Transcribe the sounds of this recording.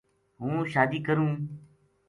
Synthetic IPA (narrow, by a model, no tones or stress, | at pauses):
ɦũːʃaːd̪iːkəɾũː